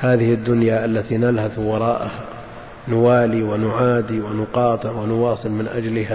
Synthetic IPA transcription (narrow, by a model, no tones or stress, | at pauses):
haːðɪhɪd̪ːʊnjaʔalːat̪inalhaθwɑɾˤɑːʔaha | nʊwaːliwanʊʕaːd̪iwanʊqɑːt̪ˤɨʕwanʊwɑːsˤɨlmɪnʔad͡ʒlɪɦa